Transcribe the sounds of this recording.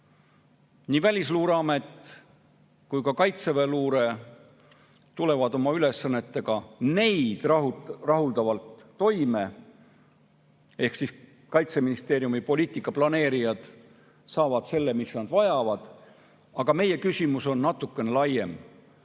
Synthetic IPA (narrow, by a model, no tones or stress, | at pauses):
niːvælʲisluːɾɑme̞t̪ | kujkɑkɑjt̪seveluːɾe̞ | t̪ule̞vɑd̪o̞mɑyle̞sːɑnːe̞t̪ːe̞ɡ̥ɑne̞jd̪̥rrɑɦuld̪̥ɑvɑlt̪ːo̞jme̞ | e̞hksis | kɑjt̪se̞minist̪e̞ːɾjumipo̞lʲiːt̪ːˑikːˑɑplɑne̞ːɾijɑd̪̥ | sɑːvɑd̪̥se̞lːe̞misnɑd̪vɑjɑvɑd̪̥ | ɑɡ̥ɑme̞je̞kysʲimuso̞nːɑt̪ːˑukːˑe̞nelɑje̞̰m